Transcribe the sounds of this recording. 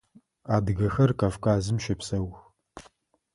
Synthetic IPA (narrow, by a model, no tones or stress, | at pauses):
aːdɡɐxɐrkʼavkʼaːzɨmʃɐpsɐwx